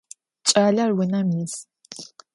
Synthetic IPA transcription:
t͡ʃʼaːɮɐrwʊnɐmjɪs

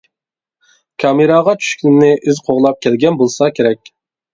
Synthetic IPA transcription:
kʰɑmeɾɑʁɑt͡ʃʰy̥ʃkʲʰinɪnɪʔizqʰoʁlˠɑp̚kʲʰɛlɡʲɛnbolˠsɑkʲʰeɾɛk̚ʲ

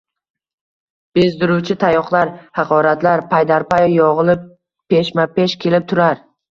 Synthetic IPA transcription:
b̥e̞zd̪ɪɾuwt͡ʃʰɪt̪ʰajɒqlˠaɾhɑqʰɒɾat̪laɾpʰajd̪aɾpajjɒʁɨlˠɪ | peʃmape̞ʃkʲʰe̞lɪp̚t̪ʰʊɾaɾ

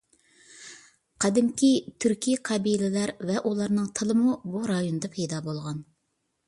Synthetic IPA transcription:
qʰɑd̪ɪmkʲit̪ʰyɾkʲiqʰɑbilɪlæɾvɛʔulˠɑɾnɨŋt̪ʰɨlˠɨmubuɾɑjonɨd̪ɑpʰɛjd̪ɑːbolˠʁɑn

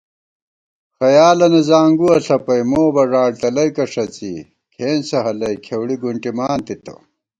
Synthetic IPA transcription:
xɐjaːlɐnɐzaːŋɡuɐɬɐpɐjmoːbɐʐaːɽt̪ɐlɐjkɐʂɐt͡sḭ | kʰeːnsɐɦɐlɐjkʰewɽiɡuɳʈimaːnt̪it̪ɐ̰

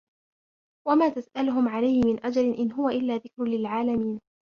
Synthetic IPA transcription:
wamaːt̪asʔalʊɦʊmʕalajhɪmɪnʔad͡ʒalɪnʔɪnɦʊwaʔɪlːaːðɪkɾlɪlʕaːlamiːn

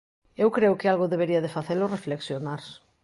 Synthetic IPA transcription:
ewkɾeʊkɪalɣoðeβeɾiɐðefaθelorefleksjonaɾs

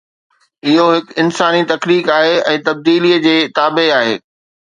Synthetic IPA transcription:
ɪɦoɦɪkɪnsaːnit̪ɐkliːkaːɦeɛ̃ːt̪ɐb̚d̪iːlijəd͡ʑeːt̪aːbeaːɦḛː

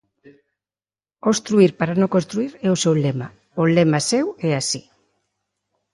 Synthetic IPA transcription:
ost̪ɾuiɾpaɾanõŋkõnst̪ɾuiɾɛosewlema | olemasewɛasi̥

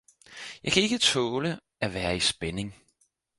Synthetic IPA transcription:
jɑ̈ɪkʰæe̝ɡ̥ət͡sʰɔːlə | æʋæːɐisb̥ene̝ŋ

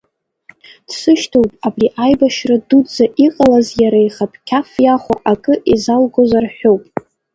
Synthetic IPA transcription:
d̥sɨʃtʰowpʼabriʔajbaʃradud͡zaʔiqʼalazjaɾaijχapʼʰkʲʰafjaχʷaʔakʼɨʔizalɡozarħʷᶣowpʼ

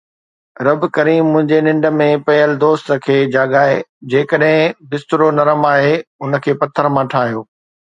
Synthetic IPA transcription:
ɾɐbkɐɾiːmːʊ̃ɦɪ̃ɲd͡ʑenɪ̃ɳɖə̆mẽpɐɦəlɪd̪oːst̪əkʰeːd͡ʑaːɠaːɦḛd͡ʑeːkəɗɦɪ̃bɪst̪ʊɾonɐɾəmaːɦeʊnə̆kʰeːpɐt̪ʰːəɾmãːʈʰaːɦijoː

